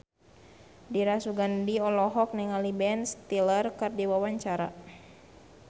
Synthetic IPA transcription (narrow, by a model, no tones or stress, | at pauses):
diɾasuɡandiɔlɔɦɔk̚nɛŋalibɛnst̪ilərkərdiwawaɲt͡ʃaɾa